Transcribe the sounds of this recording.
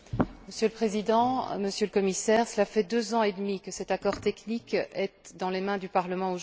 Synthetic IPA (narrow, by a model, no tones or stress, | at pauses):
məsjøləpχezid̪ɑ̃məsjøləkɔmisɛʁsəlafɛd̪øzɑ̃ed̪mikəsɛt̪akɔʁt̪ɛknikɛt̪d̪ɑ̃lemɛ̃d̪ypaʁləmɑ̃oʒ